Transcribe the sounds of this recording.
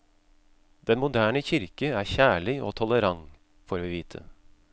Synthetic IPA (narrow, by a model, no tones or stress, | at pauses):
d̪̥ɛnmʊd̪æːɳəçɪɾkəæːçæːɭɪʔo̰ːt̪ʰɔləɾɑŋ | foːɾʋiːʋiːt̪ʰə̰